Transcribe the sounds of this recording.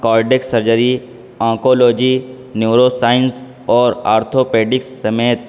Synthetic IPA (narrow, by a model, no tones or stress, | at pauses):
kɔːɾɖeksɐɾd͡ʒəɾi | ɔ̃ːkoːloːd͡ʒi | njuːɾoːsaːɪns | ɔːɾa̰ːɾt̪ʰoːpeːɖɪksːɐmeːt̪̚